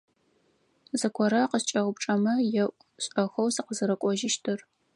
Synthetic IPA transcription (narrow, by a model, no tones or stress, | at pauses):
zɐkʷʰɔɾaqəst͡ʃʼɐʁʷʊpʈ͡ʂʼɐmɐjɛʔʷ | ɕʼɐxɐwsɨqəzɨɾɐkʷʼɔʒɪʃtʰɨr